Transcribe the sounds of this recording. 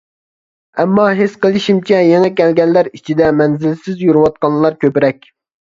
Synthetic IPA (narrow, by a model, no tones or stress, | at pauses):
ɛmːɑɦesqəlˠɪʃimt͡ʃʰɛjeŋɛkʲɛlɡʲɛnːæɾit͡ʃʰid̪ɛmɛnzɪlsɪzjuɾuwɑt̪̚qɑlˠlˠɑɾkʲʰøpɪɾɛk̚ʲ